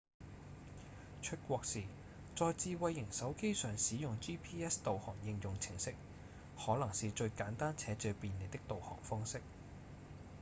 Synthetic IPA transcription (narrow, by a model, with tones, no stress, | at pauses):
t͡ʃʰɵ˥t̚kʷɔː˧k̚siː˨˩ | t͡sɔː˧jt͡siː˧wɐ˧jːɪ˨˩ŋsɐ˨˥wke˥jsœː˨˩ŋsiː˨˥jʊ˨ŋt͡ʃiː˥pʰiː˥ɛː˥st̪o˨whɔ̰ː˨˩ŋjɪ˨˧ŋjʊ˨ŋt͡sʰɪ˨˩ŋsɪ˥k̚ | hɔː˨˥lɐ˨˩ŋsiː˨t͡ʃɵ˧ɥkaː˨˥nt̪aː˥nt͡sʰɛː˨˧˥t͡sɵ˧piː˨nle˨˧t̪ɪ˥k̚t̪o˨whɔ̰ː˨˩ŋfɔː˥ŋsɪ˥k̚